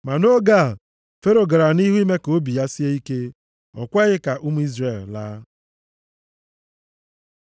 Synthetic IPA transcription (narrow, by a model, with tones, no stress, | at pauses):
ma˨no˦ɡa˦˨ | fe˦ɾo˨ɡa˨ɾa˨ni˦ɦu˦i˦me˦ko˦bi˨ja˦si˦e˦i˦ke˦ | ɔ̰˨kʷɛ˦ɣɪ˦ka˨ʔu˦mu˦i˦zɾe˨lla˦